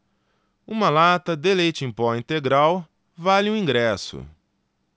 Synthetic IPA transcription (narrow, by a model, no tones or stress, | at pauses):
ũmɐlat̪ɐd̪elejt͡ʃɪẽpɔĩnt̪eɡɾaw | valɪũĩɡɾɛsʊ̰